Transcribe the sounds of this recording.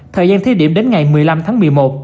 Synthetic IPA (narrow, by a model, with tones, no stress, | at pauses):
t̪ʰəː˨˩jzaː˧nt̪ʰi˧ɗi˧˩əmɗe˨˦nŋa˨˩jmɨ˨˩əjla˧mt̪ʰaː˨˦ŋmɨ˨˩əjmo˨˩t̚